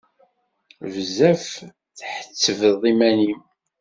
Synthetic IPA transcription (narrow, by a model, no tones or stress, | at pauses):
vzæf | θħə̥t͡sːəvəðˤimænim